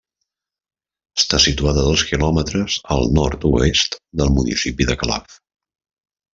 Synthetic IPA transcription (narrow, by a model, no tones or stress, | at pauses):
əst̪asit̪uaðəðoskilɔmət̪ɾəzə̰lˠnɔrt̪uest̪d̪əlˠmunḭsipiðəkəla̰f